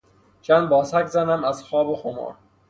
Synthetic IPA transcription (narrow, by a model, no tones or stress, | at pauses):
t͡ʃʰænd̪bɒːsækʰzænæmæzxɒːboxomɒ̰ːɾ